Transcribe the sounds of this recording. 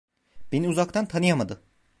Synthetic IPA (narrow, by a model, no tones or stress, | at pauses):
b̥eniuzakt̪ʰant̪ʰanɯjamad̪ɯ